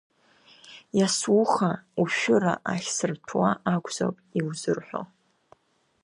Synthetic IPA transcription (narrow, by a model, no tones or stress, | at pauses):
jaswʊχauʃᶣʊra̰ʔaχʲsɨrtʰwaakʷʰʼzo̰pʼiwzɨrħʷᶣo̰